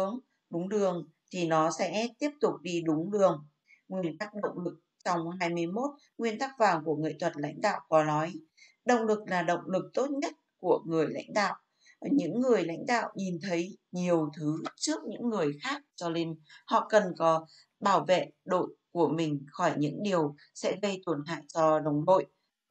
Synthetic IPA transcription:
əŋ | ɗʊ˨˦ŋ͡mɗɨ˨˩əŋ | t̪ʰi˨˩nɔ˨˦sɛ̰˧˥t̪i˦˥əp̚t̪ʊ˨˩k͡p̚ɗi˧ɗʊ˨˦ŋ͡mɗɨ˨˩əŋ | ŋwi˧ənt̪a˦˥k̚ɗə̰˧˨wŋ͡mlɨ˨˩k̚t͡ɕɔ˧wŋ͡mɦaː˧jm˧əjmo˦˥t̚ | ŋwi˧ənt̪aː˦˥k̚vaː˨˩ŋku˧˩əŋɨ̰˧˨jt̪ʰwə˨˩t̚la̰˧˥jŋ̟ɗa̰ː˧˨wkɔ˨˦nɔ˨˦j | ɗə̰˧˨wŋ͡mlɨ˨˩k̚laː˨˩ɗə̰˧˨wŋ͡mlɨ˨˩k̚t̪o˦˥t̚ɲə˦˥t̚ku˧˩əŋɨ˨˩əjla̰˧˥jŋ̟ɗa̰ː˧˨w | ɲɨ̰˧˥ŋːɨ˨˩əjla̰˧˥jŋ̟ɗa̰ː˧˨wɲi˨˩nt̪ʰə˨˦jɲi˨˩əwt̪ʰɨ˨˦t͡ɕɨ˦˥ək̚ɲɨ̰˧˥ŋːɨ˨˩əjxaː˦˥k̚t͡ɕɔ˧le˧nhɔ̰˧˨kə˨˩nkɔ˨˦ | ɓaː˧˩wvḛ˧˨ɗo̰˧˨jku˧˩əmï˨˩ŋ̟xɔ˧˩jɲɨ̰˧˥ŋɗi˨˩əw | sɛ̰˧˥ɣə˧jt̪wə˨˩nɦa̰ː˧˨jt͡ɕɔ˧ɗə˨˩wŋ͡mɗo̰˧˨j

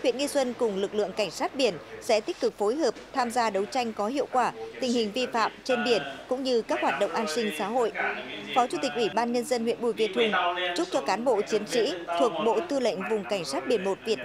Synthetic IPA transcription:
hwḭ˧˨ənŋi˧swə˧nkʊ˨˩ŋ͡mlɨ˨˩k̚lɨ̰˧˨əŋka˧˩jŋ̟saː˦˥t̚ɓi˧˩ənsɛ̰˧˥t̪i˦˥k̚kɨ˨˩k̚fo˨˦jɦəː˨˩p̚t̪ʰaː˧mzaː˧ɗə˨˦wt͡ɕa˧jŋ̟kɔ˨˦ɦḭ˧˨əwkwaː˧˩t̪ï˨˩ŋ̟hï˨˩ŋ̟vi˧fa̰ː˧˨mt͡ɕe˧nɓi˧˩ənkʊ̰˧˥ŋ͡mɲɨ˧kaː˦˥k̚hwaː˨˩t̚ɗə̰˧˨wŋ͡mʔaː˧nsï˧ŋ̟sa̰ː˧˥ɦo̰˧˨jfɔ˨˦t͡ɕu˧˩t̪i˨˩k̚ʔwi˧˩ɓaː˧nɲə˧nzə˧nhw̰ənɓu˨˧˩jvi˧ət̪ʰʊ˧ŋ͡mt͡ɕʊ˦˥t͡ɕɔ˧kaː˨˦nɓo̰˧˨t͡ɕi˨˦ənt͡ɕḭ˧˥t̪ʰu˨˩ək̚ɓo̰˧˨t̪ɨ˧lə̰˧˨jŋ̟vʊ˨˩ŋ͡mka˧˩ŋ̟saː˦˥t̚ɓi˧˩ənmo˨˩t̚vi˨˩ət

